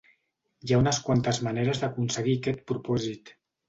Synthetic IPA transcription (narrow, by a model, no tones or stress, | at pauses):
jaunəskwant̪əzmaneɾəzðəkunsəɣikɛt̪̚pɾupɔzit̪